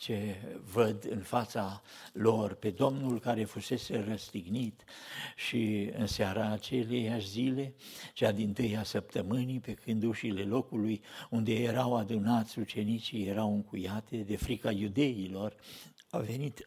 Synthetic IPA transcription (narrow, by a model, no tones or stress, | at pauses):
t͡ʃe̞vəd̪ɨ̰nfat̪salo̞rpe̞d̪o̞mnulkaɾe̞fuse̞se̞rəst̪iɡnit̪ʃiɨ̰nseaɾaːt͡ʃelejaʃzile̞t͡ʃead̪int̪ɨjasəp̚t̪əmɨnipe̞kʰɨnd̪uʃile̞lo̞kulujund̪e̞jeɾawad̪unat̪sʲut͡ʃe̞nit͡ʃije̞ɾawɨŋkujat̪e̞d̪e̞fɾikajud̪e̞jilo̞r | ave̞nit̪